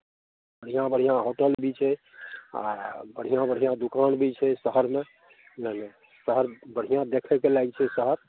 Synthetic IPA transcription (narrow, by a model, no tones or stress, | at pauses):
bəɽ̤ijãbəɽ̤ijãɦoʈəlbʱit͡ʃʰɛ | a̰bəɽ̤ijãbəɽ̤ʱijãd̪ukanbʱit͡ʃʰɛsəɦəɾme | ləne | səɦəɾbəɽ̤ijãd̪ekʰɛkelaɡt͡ʃʰɛsəɦəɾ